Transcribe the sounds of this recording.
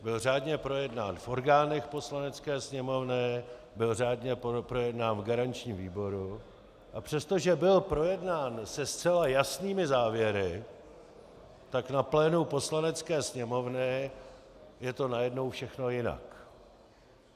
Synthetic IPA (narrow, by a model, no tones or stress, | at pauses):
bɪlraːdɲɛpɾo̞jɛdnaːnfʔo̞ɾɡaːnɛxpo̞slanɛt͡skɛːsɲɛmo̞vnɪ | bɪlraːdɲɛpopɾo̞jɛdnaːnvɡaɾant͡ʃɲiːmviːbo̞ɾu | ʔapr̝̥ɛst̪o̞ʒɛbɪlpɾo̞jɛdnaːnsɛst͡sɛlajasniːmɪzaːvjɛɾɪ | t̪aknaplɛːnupo̞slanɛt͡skɛːsɲɛmo̞vnɪ | jɛt̪o̞najɛdno̞wfʃɛxno̞jɪna̰k